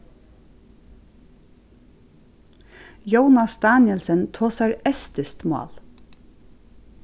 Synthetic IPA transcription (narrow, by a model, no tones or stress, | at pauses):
joʊnɑst̪ɑːnjɛlsənt̪ʰoːsæɾɛst̪ɪst̪mɑ̰ːl